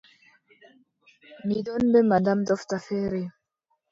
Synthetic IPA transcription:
midɔnbɛmadamtɔftafɛɾe

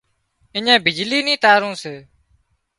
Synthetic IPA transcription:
ɪɲẽːbɪd͡ʒliːnĩːt̪aːɾõːseː

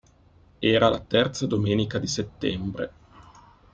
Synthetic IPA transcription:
ɛːɾalat̪ɛrt̪sad̪omeːnikad̪iset̪ːɛmbɾe

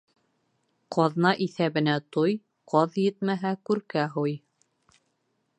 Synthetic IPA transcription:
qʰɑðnɑʔiθæβɘ̆næt̪oj | qɑðjɘt̪mæɦækʉɾkæɦoj

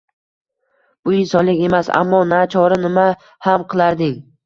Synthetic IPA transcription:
b̥ʊɪnsɒnlɪkʲe̞masa̰mːɒnat͡ʃʰɒɾɪnɪma | hamqʰɨlˠaɾd̪ɪŋʲ

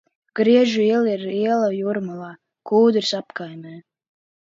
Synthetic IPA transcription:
ɡ̥ɾiɛʒuiɛlˠiɾiɛlˠajuɾmalˠaː | kuːd̪ɾsapkajmʲɛː

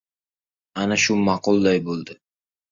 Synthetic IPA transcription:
anaʃʊmɑqʰʊlˠd̪ajbolˠd̪ɪ

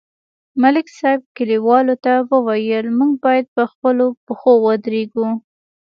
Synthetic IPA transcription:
malɪksajb̚kɪliwɑlot̪awəwajəlmuɡ̚bɑjad̪̚pəxpəlopəxowəd̪ɾeɡu

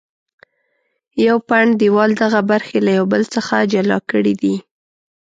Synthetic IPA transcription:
jawpaɳd̪iwɑld̪aɣabaɾxelajawbəlt͡səxad͡ʒalɑ̰kəɽid̪i

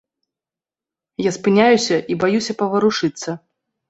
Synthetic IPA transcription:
jaspɨnʲajusʲɐʔibajusʲɐpɐvɐɾuʂɨt̪sːɐ

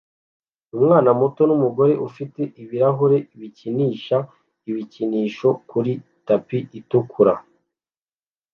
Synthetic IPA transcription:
umŋaːnamoto̞numuɡo̞ɾe̞ʔufite̞ʔiβiɾaɦoɾe̞iβiciniːʃa | iβiciniːʃo̞kuɾi | tapiʔitukʰuɾa

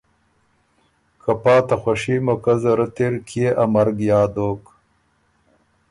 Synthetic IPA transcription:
kʰapɑːt̪axwaʂimokɐzɐɾɐt̪eɾkʰieʔɐmɐɾɡjɑːd̪oːk

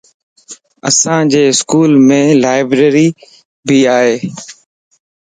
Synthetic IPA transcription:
ə̰sãːd͡ʒeːɪskuːlmẽːlaːɪbɾeːɾiː | bʱiːaːɦeː

